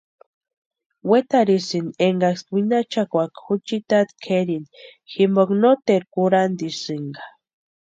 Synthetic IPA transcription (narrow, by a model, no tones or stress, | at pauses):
wet̪aɾisineŋɡaswinat͡ʃakʷakxut͡ʃit̪at̪kʰeɾinximboknot̪eɾkuɾand̪isɨŋɡḁ